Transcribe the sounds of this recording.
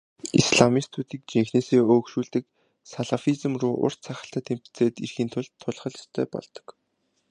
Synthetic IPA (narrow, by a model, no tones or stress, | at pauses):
ḭsɮamist̪ʰuːt̪iːk̚t͡ɕiŋxneːseːoːkʃuːɮt̪ɘ̆k | saɮafit͡sə̆mruːʔʊ̰r̥t͡ɕt͡sʰaχə̥̆ɬt̪ə̆t̪em̥pʰt͡sʰeːt̪irxiːnt̪ʰʊɮt̪ʰːʊɮχə̆ɮst̪ʰœːpɔ̰ɮt̪ɞ̥̆k